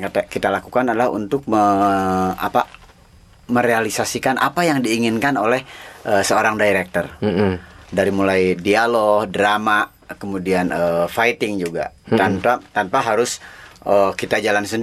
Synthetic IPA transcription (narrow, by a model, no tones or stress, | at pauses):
kat̪akit̪alakukanadalaɦṵnt̪ʊk̚mə | a̰pa | məɾealisasikanʔa̰pajaŋdiːŋɪnkanolɛhəsəoɾaŋdaiɾɛk̚t̪ər | daɾimulajdialohdɾama | kəmudianəfajt̪ɪŋd͡ʒuɡa̰t̪anpat̪anpaɦaɾʊsʔəkit̪ad͡ʒalansənd